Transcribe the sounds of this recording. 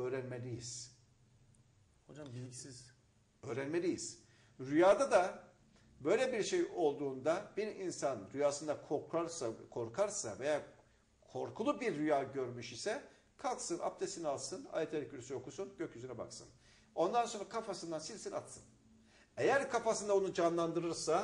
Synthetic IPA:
øːɾænmelʲijiz̥ | hod͡ʒambicsiz̥ | ø̞ːɾænme̞lʲijiz̥ | ɾyjaːd̪ad̪a | bø̞jlʲebiɾʃejo̞lˠd̪uːnd̪ab̥iɾinsanɾyjaːsɯnd̪akʰokʰaɾsakʰo̞ɾkʰaɾsa̰veja | kʰo̞ɾkʰulˠubiɾːyjaːɟø̞ɾmyʃisɛ | kʰalˠksɯnʔa̰p̚t̪ʰesinialˠsɯna̰ːjet̪ʰeɾɛc̚yɾysyjo̞kʰusunɟøcʰyzyɾɛba̰ksɯ̰n | o̞nd̪anso̞nɾakʰafasɯnd̪ansilʲsina̰t̪sɯ̰n | e̞jæɾkʰafasɯnd̪aonud͡ʒanlˠand̪ɯɾɯɾsa

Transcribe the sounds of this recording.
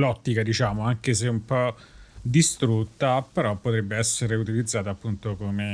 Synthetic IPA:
lɔt̪ːikad̪it͡ʃaːmoaŋk̟eseumpɔ | d̪ist̪ɾut̪ːapeɾɔpːot̪ɾɛbːeɛsːeɾeut̪ilid̪zːaːt̪aːpːunt̪okome

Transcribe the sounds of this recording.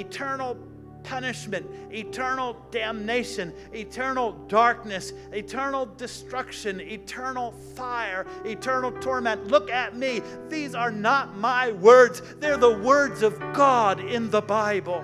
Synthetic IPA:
ɨtʰɜ˞nl̩ˠ | pʰʌnɨʃmɨ̃ntitʰɜ˞nl̩ˠdæ̃mneɪʃɨ̃n | ɪtʰɜ˞nl̩ˠdɑɹk̚nɨs | ɪtʰɜ˞nl̩ˠdɨstɹ̥ʌkʃɨ̃nɪtʰɜ˞nl̩ˠ | faɪə˞ɪtʰɜ˞nl̩ˠtʰɔɹmɛ̃ntlʊkɨt̚mi | ðizə˞nət̚maɪwɜ˞dz | ðə˞ðəwɜ˞dzʌvɡɑɾɪ̃nðəbaɪbl̩ˠ

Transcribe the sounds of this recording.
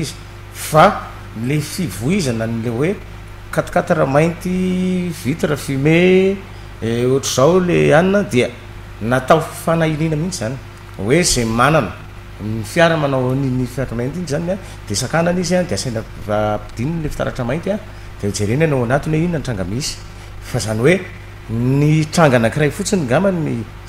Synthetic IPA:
izi̥ | fa | lefivuizananilewe | kat̪ḁkat̪aɾəmajnt̪ivit̪iɾəfime | oʈ͡ʂuz̥awleaninəd̪eə | nat̪awfanailinəmint͡ʃizani̥ | wezemananə | nifiaɾananawninifiaʈ͡ʂamajnt̪inizania | d̪̥esakananiziand̪easajnə | vapi̥d̪̥ininlefi̥t̪a̰ɾa̰ʈ͡ʂəmajnt̪a | d̪̥emid͡zeɾenanawanat̪uneininanʈ͡ʂaŋɡamisi̥ | fazaniwe | niʈ͡ʂaŋɡanakirajfut͡siniŋɡamani

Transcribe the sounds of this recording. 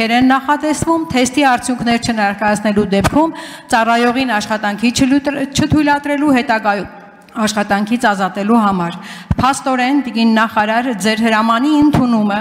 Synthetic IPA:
ɛɾɛnːɑχɑt̪ɛsvumt̪ʰɛst̪iɑɾt͡sʰjuŋkʰnɛɾt͡ʃʰənɛɾkɑjɑt͡sʰnɛlud̪ɛpkʰumt͡sɑrɑjɔʁinɑʃχɑt̪ɑŋkʰit͡ʃʰət̪ʰujlɑt̪ɾɛluɦɛt̪ɑɡɑj | ɑʃχɑt̪ɑŋkʰit͡sʰɑzɑt̪ɛluɦɑmɑɾpʰɑst̪ɔɾɛnt̪iɡinːɑχɑɾɑɾəd͡zɛɾɦəɾɑmɑniənt̪ʰunumə

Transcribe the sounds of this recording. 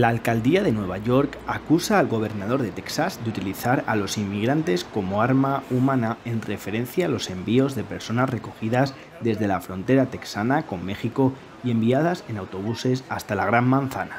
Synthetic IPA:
laːlkald̪iaðe̞nwe̞β̞aʝo̞ɾkakusaːlɣo̞β̞e̞ɾnað̞o̞ɾðe̞t̪e̞ksazd̪eut̪iliθaɾa̰lo̞simːiɣ̞ɾant̪e̞sko̞mo̞aɾmaumãnae̞nre̞fe̞ɾe̞nθjaːlo̞se̞mbio̞zðe̞pe̞ɾso̞nazre̞ko̞xiðaz | ðe̞zðe̞lafɾõ̞nt̪e̞ɾat̪e̞ksanako̞mːe̞xiko̞ | ie̞mbiaðase̞nawt̪o̞β̞use̞sast̪alaɣ̞ɾamːãnθana

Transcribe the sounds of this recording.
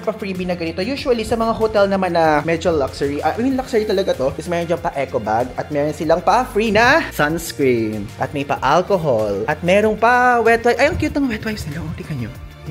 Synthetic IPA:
pɐfɹiːbinɐɡɐnɪt̪o̞juːʃwɐlisɐmɐŋaɦot̪ɛlnɐmanːɐmɛd͡ʒɐlːɐksɛɹiʔɐʔɪmɪnlɐksɛɹit̪ɐlɐɡat̪o̞ɪsmɛːɾond͡ʒɐŋpɐʔɛkoba̰ɡɐt̪̚mɛːɾonsɪlaŋpɐfɹinɐsɐnskɹinʔɐt̪̚mɐjpɐ̰ʔalkoɦolʔɐt̪̚mɛɾonpɐwɛt̪wajʔɐjɐŋkjuːt̪ɐŋwɛt̪̚wajsnɪlɐʔoːt̪ɪkɐɲo

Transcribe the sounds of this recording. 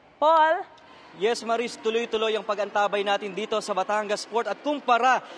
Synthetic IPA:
pol | jɛsmɐɾist̪ʊlojt̪ʊlo̞jɐŋpɐɡʔɐnt̪aːbɐjnaːt̪ɪnd̪iːt̪o̞sɐbɐt̪aŋɡɐspo̞ɹt̪ɐt̪̚kʊŋpɐɾa

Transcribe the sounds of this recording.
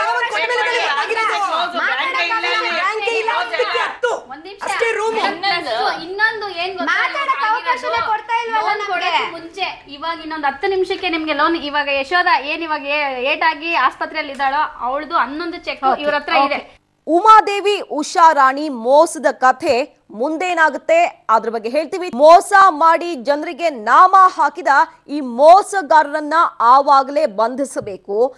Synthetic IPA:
aɐkɔmɐɐɡ̪ɐliaːɡiɾod̪uo | ɐɐaŋeilːɐikːet̪ːuond̪nimʂɐɐʈeɾuːmɐuinːo̞nd̪ueːnɡoaɐnɐɐʋkɐɐnekɔɽt̪aːjilʋankoɽeumuɲt͡ʃe | iʋaːɡɐinːond̪ɐt̪ːunimʂɐkːenimɐɡe̞loːniʋaːɡɐeʃʋɐːd̪ɐe̞ːniʋaːɡɐeeːʈaːɡiaːspɐt̪ɾɛjɐlːid̪aːɭoːɐʋɐɭɐd̪uɐnːond̪ut͡ʃekːiʋɾɐt̪ːɾɐid̪e | umaːd̪e̞ːʋiʔuʂaːɾaːɳimɔːsɐd̪ɐkɐt̪ʰe̞ | mund̪eːnaːɡut̪ːe̞aːd̪ɐɾɐbɐɡːe̞ɦe̞ːɭt̪iːʋimɔːsamaːɽid͡ʒɐnɾiɡe̞naːmaːɦaːkid̪ɐiːmɔːsɐɡaːɾɐɾɐnːɐaːʋaːɡɐle̞ːbɐnd̪ʱisɐbe̞ːku

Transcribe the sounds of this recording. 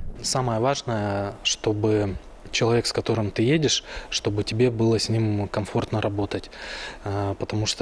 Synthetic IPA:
saməjəvaʐnəjəʂt̪o̞bɨ | t͡ɕɪlˠɐvʲe̞kskɐt̪o̞ɾɨmt̪ɨjedʲɪʂʂt̪o̞bɨtʲɪbʲe̞bɨlˠəsʲnʲimkɐmfo̞rt̪nəɾʔɐbo̞t̪ətʲ | pət̪ɐmuʂt̪

